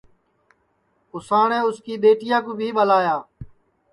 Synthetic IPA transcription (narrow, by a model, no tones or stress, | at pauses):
ʊsaːɳeːʊskiːɗ̪eːʈɪjãːkũːbʱiːɓəlaːjaː